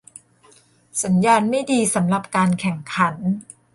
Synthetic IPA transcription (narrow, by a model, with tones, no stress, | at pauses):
sa˩˦njaː˧nma˥˩jdiː˧sa˩˦mɾa˨˩p̚kaː˧nkʰɛ˨˩ŋkʰa˩˦n